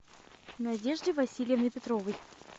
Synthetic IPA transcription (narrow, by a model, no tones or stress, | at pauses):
nɐdʲe̞ʐdʲɪvɐsʲilʲɪjəvnɨjpʲɪt̪ɾovɨj